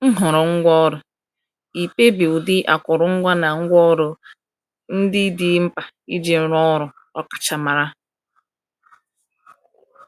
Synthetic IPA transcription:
ŋ̩˦ɦʊ˨ɾʊ˨ŋ̩˦ɡʷɔ˦ɾʊ˨ | i˨pe˦bi˨ʊ˨dɪ˦ʔa˨kʊ˨ɾʊ˨ŋ̩˦ɡʷa˦na˨ŋ̩˦ɡʷɔ˦ɾʊ˨ | n̩˦dɪ˦dɪ˦m̩˦pa˨ | i˦d͡ʒe˨˦ɾɔ˦ɾʊ˨ | ɔ˦kḁ˨t͡ʃa˨ma˨ɾa˦

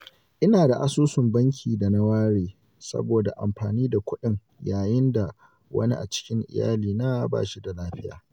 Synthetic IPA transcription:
ʔɪ˦naː˨da˨ʔa˦soː˦sʊ˨mbɐ˦ŋkʲʰiː˨da˨na˦waː˦ɽeː˨ | sɐ̰˦boː˨da˨ʔa̰˨mɸaː˨niː˦da˨kʷʊ˦ɗɪ˨ŋ | jaː˨jɪ˦nda˨ | wɐ̰˦ni˦ʔa̰˨t͡ʃɪ̥˦kʲɪ˦ŋʔɪ̰˨ja̰ː˦liː˨na˦ba̰ː˦ʃi˦da˨laː˦ɸɪ˦ja̰ː˨

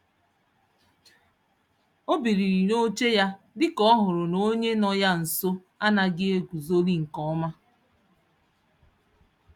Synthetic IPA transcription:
o˦bi˨ɾi˨ɾi˨no˦t͡ʃe˦ja˦ | dɪ˦kɔ˦ɦʊ˨ɾʊ˨no˦ɲe˦nɔ˦ja˦n̩˨so˦ | a˦na˨ɡɪ˦e˦ɡʷu˨zo˦li˦ŋ̩˨kɔ˦ma˦

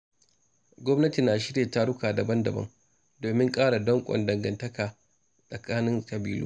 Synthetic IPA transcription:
ɡʷɔ˦mnɐ˦ti˨naː˨ʃɪ˦ɽeː˨ta˦ɽʊ˦kaː˨dɐ˨bɐ˦ndɐ˨bɐ̰˦ŋ | doː˨mɪ˦ŋkʼaː˦ɽa˨dɔ˦ŋkʷʼɔ̰˨ndɐ˨ŋɡɐ˨ntɐ˦kaː˨ | sʼɐ˨kaː˦nɪ˦ŋkʼɐ˨biː˦lṵ˦

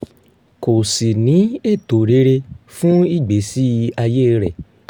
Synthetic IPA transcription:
ko˨si˨nĩ˨˦e˦˨to˨ɾe˨˦ɾe˧fũ˦i˦˨ɡ͡be˨˦si˦a˧je˦˧ɾɛ˨

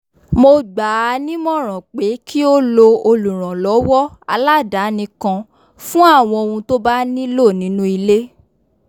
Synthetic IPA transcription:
mo˧ɡ͡ba˨˦nĩ˦mɔ̃˦˨ɾ̃ã˨k͡pe˨˦ki˦o˦lo˧o˧lu˨ɾ̃ã˨lɔ˨˦wɔ˦a̰˧la˦˨da˨˦nĩ˧kã˧ | fũ˦a˦˨w̃ɔ̃˧o˧ũ˧to˦ba˦nĩ˦lo˦˨nĩ˨˦nũ˦i˧le˦

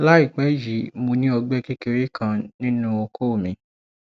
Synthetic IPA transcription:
la˦i˦˨k͡pɛ˨˦ji˨˦mõ˧nĩ˦ɔ˧ɡ͡bɛ˦ke˦ke˧ɾi˦kʰã˧nĩ˦nũ˦o˧kʰo˦˨mĩ˨˧

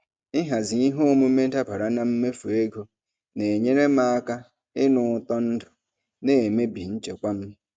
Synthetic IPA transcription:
ɪ˦ɦa˨zɪ˨i˦ɦo˦o˦mu˦me˦ta˦pa˨ɾa˨na˨m̩˦me˦fu˨e˦ɡo˨ | ne˨ɲe˦ɾe˦ma˦a˦ka˦ | ɪ˦nʊ˨tɔ˦n̩˦dʊ̥˨ | ne˨e˨me˦bi˨n̩˦t͡ʃḛ˨kʷa˦m̩˦

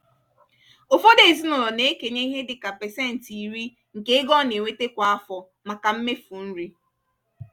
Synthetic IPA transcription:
o˨fo˦de˨zi˦nʊ˨lɔ˨ne˦ke˨ɲe˦i˦ɦe˦dɪ˨ka˨pe˨sɛ˦˨n̩˨ti˨ɾi˦ | ŋ̩˨ke˦ɪ˦ɡɔ˦˨ne˨ŋʷe˦te˦kʷa˨a˦fɔ˨ | ma˨ka˨m̩˦me˦fu˨n̩˦ɾi˦

